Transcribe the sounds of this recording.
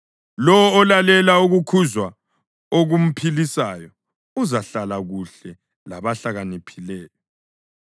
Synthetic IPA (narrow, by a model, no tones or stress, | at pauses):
lɔwɔːlalɛlauɣukʰuzwa | oɣum̩pʰilisajɔ | uzaɬalaɣuɬɛ | laβaɬaɣanipʰilɛːjɔ